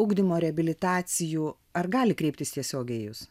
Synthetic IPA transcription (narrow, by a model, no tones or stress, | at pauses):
ʊɡd̪ʲɪmoːɾʲɛɐbʲɪlʲɪt̪ɑːt̪sʲɪjuː | ɐɾɡɑːlʲɪkɾʲɛɪpʲt̪ʲɪst̪ʲiɛsʲoːɡʲɛːjʊs